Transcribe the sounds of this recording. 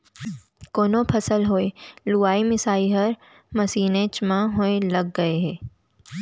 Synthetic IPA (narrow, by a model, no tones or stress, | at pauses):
koːnõpʰɐsəlɦoːeluːaːimɪsaːiɦɐɾ | mɐsiːnẽt͡ʃmãɦoelɐɡːɐeɦɛː